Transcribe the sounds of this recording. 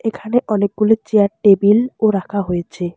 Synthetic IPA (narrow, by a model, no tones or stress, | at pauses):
ekʰaneʔɔnek̚ɡulit͡ɕeaʈebiloɾakʰaɦojet͡ɕʰe